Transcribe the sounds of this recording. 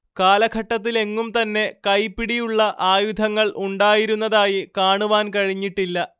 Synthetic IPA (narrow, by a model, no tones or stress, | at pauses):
kaːlɐɡʱɐʈːɐt̪̬ːile̞ŋːumt̪ɐnːe̞kɐjpːiɽijuɭːɐʔaːjud̪ʱɐŋːɐɭʔuɳɖaːjiɾunːɐðaːjikaːɳuʋaːnkɐɻiɲːiʈːilːɐ